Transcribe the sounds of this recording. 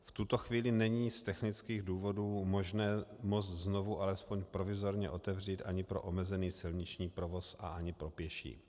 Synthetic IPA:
ft̪ut̪o̞xviːlɪnɛɲiːst̪ɛxnɪt͡skiːɣduːvo̞duːmo̞ʒnɛːmo̞t͡st̪zno̞vuʔalɛspoɲpɾo̞vɪzo̞ɾɲɛʔo̞t̪ɛvr̝iːt̪ʔaɲɪpɾo̞̰ʔomɛzɛniːsɪlɲɪt͡ʃɲiːpɾo̞vo̞sʔaaɲɪpɾo̞pjɛʃḭː

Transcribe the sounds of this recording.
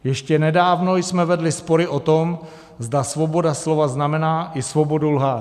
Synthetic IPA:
jɛʃcɛnɛdaːvno̞jsmɛvɛdlɪspoɾɪʔot̪om | zdasvobo̞daslovaznamɛnaːʔɪsvobo̞dulɦa

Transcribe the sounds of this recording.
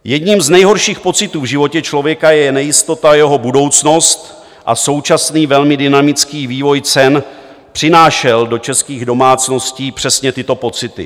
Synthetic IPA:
jɛdɲiːmznɛjɦo̞ɾʃiːxpo̞t͡sɪt̪uːvʒɪvo̞cɛt͡ʃlo̞vjɛkajɛnɛjɪst̪o̞t̪ajɛɦobudo̞wt͡sno̞st̪ | ʔa̰so̞wt͡ʃasniːvɛlmɪdɪnamɪt͡skiːviːvo̞jt͡sɛn | pr̥ɪnaːʃɛldo̞t͡ʃɛskiːɣdo̞maːt͡sno̞sciːpr̝̥ɛsɲɛt̪ɪt̪o̞po̞t͡sɪt̪ɪ̰

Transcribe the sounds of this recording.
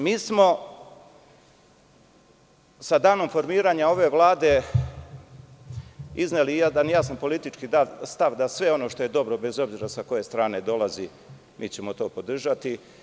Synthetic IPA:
miːsmo̞ | sad̪aːno̞mfo̞ɾmiːɾaːɲao̞ʋe̞ʋlˠaːd̪e̞ | iznelijad̪anjaːsampo̞lit̪it͡ʃkid̪alst̪aʋd̪asʋe̞o̞no̞ʃt̪oje̞d̪o̞bɾo̞be̞zo̞bziːɾasako̞je̞st̪ɾaːne̞d̪o̞lazi | miːt͡ɕe̞mo̞t̪o̞ːpo̞d̪r̩ʒat̪i

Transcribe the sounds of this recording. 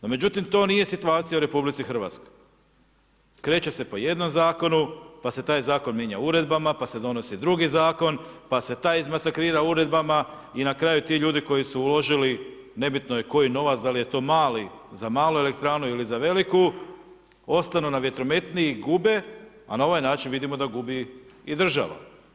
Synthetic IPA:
nome̞d͡ʑut̪imt̪o̞ːnije̞sit̪uaːt̪sijauɾe̞publit̪sixr̩ʋa̰t̪skoj | kɾe̞ːt͡ɕe̞se̞po̞je̞d̪no̞mzaːko̞nupase̞t̪aːjzaːko̞nmje̞ːɲa̰uɾe̞d̪bamapase̞d̪o̞no̞sid̪ɾuɡizaːko̞npase̞t̪aːjizmasakɾiːɾauɾe̞d̪̚bama | inakɾaːjut̪iʎuːd̪iko̞jisuːlo̞ʒili | ne̞bit̪noje̞ko̞jino̞ʋat̪d̪alije̞t̪o̞ːmaːlizamaːlue̞le̞k̚t̪ɾaːnuilizaʋe̞liku | o̞st̪anunaʋje̞t̪ɾo̞me̞t̪niːɡube̞ | a̰nao̞ʋajnaːt͡ʃinʋid̪imo̞d̪aɡubiid̪r̩ʒa̰ʋa̰

